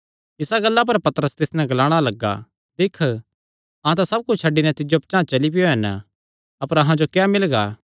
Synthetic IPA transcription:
ɪsaɡɐlːap̬ɐɾpɐt̪əɾəst̪ɪsnɛ̃ɡlaːɽ̃alɐɡːa̰ | d̪ɪkʰː | ɐ̃t̪asɐb̚kʊt͡ʃʰt͡ʃʰɐɖːinɛ̃t̪ɪd͡ʒopt͡ʃãːt͡ʃɐlipɪjoɦɛn | ɐpəɾɐɦãd͡ʒokjamɪlɡaː

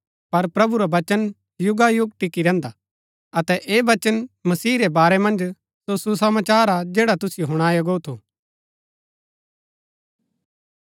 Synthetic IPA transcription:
pɐɾpɾɐbuɾabɐt͡ʃən | jʊɡajʊɡ̚ʈɪkiɾɛ̃ːnd̪a | ɐt̪ɛʔeːʋɐt͡ʃənmɐsiːɾebaːɾɛmɐ̃nd͡ʒ | sosusɐmaːt͡ʃaːɾad͡ʒeːɽat̪ʊsɪjoɦʊɽ̃aːjɐɡoːut̪ʰuː

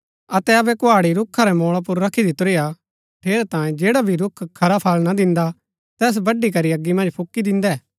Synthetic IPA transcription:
ɐt̪ɛɐbɛkʊaːɽiɾʊkʰːaɾɛmoːɭap̬ʊɾːɐkʰid̪it̪ʊɾeːja | ʈʰeːɾt̪ãːjẽd͡ʒeːɽabʱiɾʊkʰːkʰːɐɾapʰaːlnad̪ɪ̃nd̪a | t̪ɛːs̬bɐɖikɐɾiɐɡːimɐ̃nd͡ʒpʰʊkːid̪ɪ̃nd̪ɛː

